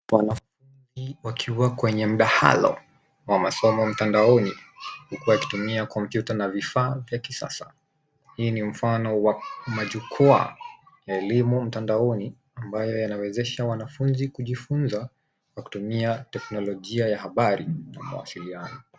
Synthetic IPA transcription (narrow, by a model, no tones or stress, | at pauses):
wanafunziwakʰiwakwɛɲɛm̩ɗaha̰lɔ̰ | wamasɔmɔm̩tandaɔnihukuwajaki̥tumiakɔmpjutanavifaːvjakisa̰sḁ | hiːnim̩fanɔwamaʄukʰɔa̰ | jaɛlimum̩tandaɔni | ambajɔjanawɛzɛʃawanafunzikuʄifunza | kwaku̥tumiatɛknɔlɔʄiajahaɓaɾina̰ma̰wa̰silianɔ